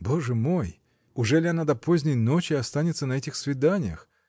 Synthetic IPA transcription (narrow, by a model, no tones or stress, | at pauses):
bo̞ʐɨmoj | ʊʐɛlʲɪɐnad̪ɐpozʲnʲɪjnot͡ɕɪɐst̪anʲɪt̪sənɐɛtʲɪxsvʲɪd̪anʲɪjə̰x